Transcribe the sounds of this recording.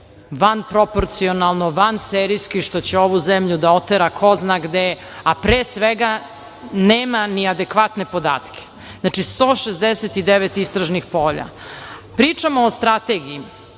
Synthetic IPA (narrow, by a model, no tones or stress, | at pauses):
ʋanpɾopoɾt̪sionalˠnoʋanseːɾijskiʃt̪o̞t͡ɕeo̞ʋuzemʎud̪aot̪eɾakʰo̞znaɡd̪e | apɾeːsʋeɡa | neːmaniad̪ekʋat̪ne̞po̞d̪a̰ːt̪kʰe̥ | znat͡ʃist̪oːʃezd̪eset̪id̪eʋet̪ist̪ɾaʒnixpo̞ːʎa̰pɾiːt͡ʂamoːst̪ɾat̪eɡii